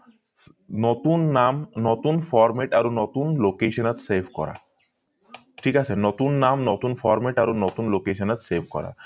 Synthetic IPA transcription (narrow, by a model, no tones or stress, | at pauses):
nɔt̪unːamnɔt̪unfɔɾmeʈaɾonɔt̪unlokeʃɔnat̪sebʱkɔ̰ɾa̰ | ʈʰikasʰenɔt̪unːamnɔt̪unfɔɾmeʈaɾonɔt̪unlokeʃɔnat̪sebʱkɔ̰ɾa̰